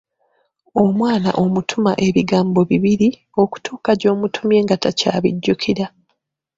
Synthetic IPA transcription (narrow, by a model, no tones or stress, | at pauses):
omwaːna̰ʔo̞mutʰumaʔe̞βiɡaːmbo̞βiβiɾi | o̞ku̥tʰuːkaɟo̞ːmutʰumje̞ːŋɡataca̰ːβḭɟːukʰiɾa